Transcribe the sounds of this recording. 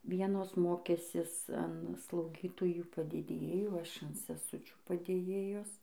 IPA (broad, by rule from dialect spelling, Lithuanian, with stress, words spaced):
ˈʋʲiɛnoːs ˈmoːkʲæːsʲɪs ɐn slˠɐʊˈɡʲiːtoːjuː pɐdʲeːdʲeːˈjuː ˈɐʃ ɐn sʲɛˈsʊt͡ʃʲuː pɐdʲeːˈjeːjoːs